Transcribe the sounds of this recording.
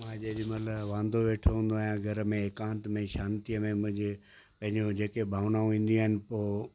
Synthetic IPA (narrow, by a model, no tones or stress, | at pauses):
mãd͡ʑeʄimɐt̪ləbʋãːnd̪ʱoʋeːʈʰoɦũːn̆d̪oaːɦijãɡʱɐɾəmẽekãːnt̪mẽʃaːnt̪ijəmẽmʊ̃ɦɪ̃ɲd͡ʑɪ | pɐ̃ɦɪ̃ɲd͡ʑod͡ʑeːkebʱaːʋnaːũʋĩːn̆d̪iũaːɦɪnɪ̆poː